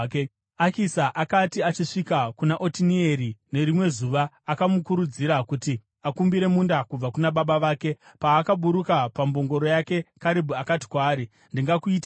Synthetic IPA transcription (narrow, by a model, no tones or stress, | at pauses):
akisaʔakatiat͡ʃiʂikakunaʔo̞tinieɾine̞ɾimwe̞zuʋaːkamukuɾud͡ziɾakuti | akumbiɾe̞mundakub͡vakunaɓaɓaʋaːke̞paːkaɓuɾukapambo̞ŋɡo̞ɾo̞jake̞kaɾibʱuakati̥kwaːɾi | ndiŋɡakuiːta